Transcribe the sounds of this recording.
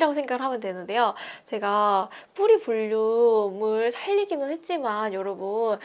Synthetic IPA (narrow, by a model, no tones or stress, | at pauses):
ɾaɡos̬ʰe̞ŋɡaɡɯɭɦamjʌndwenːɯnde̞jot͡ɕe̞ɡap͈uɾipuʎːumɯɭsʰaʎːiɡinɯnhe̞t̚t͡ɕ͈imanjoɾʌbun